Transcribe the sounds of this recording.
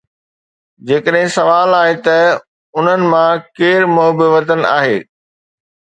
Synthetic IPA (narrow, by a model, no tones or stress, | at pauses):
d͡ʑeːkəɗɦɪ̃sɐʋaːlaːɦet̪ɐ | ʊn̤ənɪ̆mãkeːɾmʊɦbɪʋɐt̪ən̆a̰ːɦeː